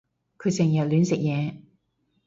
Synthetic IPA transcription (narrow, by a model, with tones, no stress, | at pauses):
kʰɵ˨˧ɥsɪ˨˩ŋjɐ˨t̚lyː˨˥nsɪ˨k̚jɛː˨˧